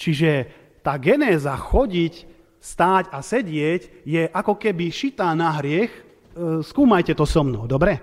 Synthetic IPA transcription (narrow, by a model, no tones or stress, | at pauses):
t͡ʃiʒɛ | t̪aːɡɛnɛːzaxɔɟic | st̪aːcasɛɟɪɛɟjɛʔakɔkɛbiʃit̪anaɦɾɪɛx | skuːmajcɛt̪ɔsɔmnɔʊd̪ɔbɾɛ